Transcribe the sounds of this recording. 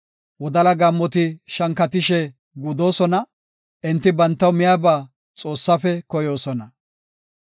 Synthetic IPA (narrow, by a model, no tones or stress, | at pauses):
wɔd̪ɐlɐɡɐmːɔt̪ɪʃɐŋkːɐt̪ɪʃɛ | ɡʊd̪o̞ːsɔnɐ | ʔɪnt̪ːɪbɐnt̪ːɐwmɪjaːbaː | t͡sʼo̞ːsːɐfɛkɔjo̞ːsɔnɐ